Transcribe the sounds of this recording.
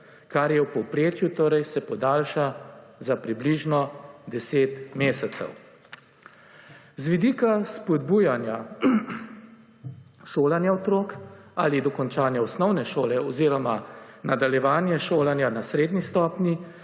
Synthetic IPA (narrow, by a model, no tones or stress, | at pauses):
kaɾjɛwpɔwpɾeːt͡ʃjut̪oːɾɛjsɛpɔd̪aːlʃazapɾibliʒnɔd̪ɛseːt̪meːsɛt̪sɛ̰w | zʋid̪iːkaspɔd̪bujanja | ʃoːlanjaɔt̪ɾoːkalid̪ɔkɔnt͡ʃaːnjaɔsnɔwnɛʃoːlɛɔziːɾɔmanad̪aljɛʋaːnjɛʃoːlanjanasɾeːd̪nist̪ɔːpnji